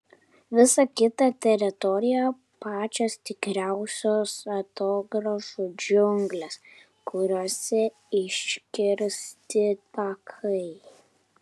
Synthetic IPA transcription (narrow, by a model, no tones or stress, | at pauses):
ʋʲɪsɐkʲɪt̪ɐt̪ʲɛɾʲɪt̪ɔɾʲɪjɛ | pɑːt͡ʃʲost̪ʲɪkɾʲæˑʊsʲoːsɐt̪oːɡɾɔfʊd͡ʒʲʊŋɡlʲɛs | kʊɾʲoːsʲɛ | ɪʃkʲɪɾʲst̪ʲɪt̪ɐkʰɐɪ